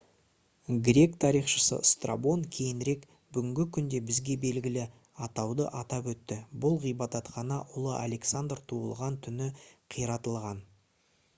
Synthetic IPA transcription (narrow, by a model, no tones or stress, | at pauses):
ɡɾʲe̞kt̪ʰɑɾijχʃə̥sə̰st̪ra̰bo̞nkʲʰe̞jɪnɾe̞k | bʏɡʲɪŋɡʲɪkʲʰʏnd̪e̞bɪzɡʲe̞be̞lɡʲɪlɪ | ɑt̪ɑwd̪ə̰ʔɑt̪ɑpwɵt̪ːɪbʊlˠʁijbɑt̪ɑt̪qɑnɑʔʊlˠəʔa̰le̞ksand̪rt̪ʰuə̰lˠʁɑnt̪ʰʏnɪqʰijɾɑt̪əlˠʁɑn